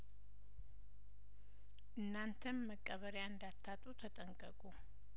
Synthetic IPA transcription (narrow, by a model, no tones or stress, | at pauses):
ʔɨnːant̪ʰənməkʼːəβəɾjaɨnd̪at̪ʰːat̪ʼut̪ʰət̪ʼəŋkʼəkʼu